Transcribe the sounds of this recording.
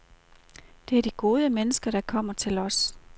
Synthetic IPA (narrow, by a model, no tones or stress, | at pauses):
d̥e̝æɐd̥iɡ̥o̝ːð̞ˠəmenəsɡ̥ɐɾ̥ɑ̈kʰɒ̽m̰ɐt͡sʰe̝lɒ̽s